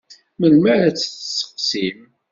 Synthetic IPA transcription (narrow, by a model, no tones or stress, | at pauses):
məlmæɾat͡sːθəsə̥qsim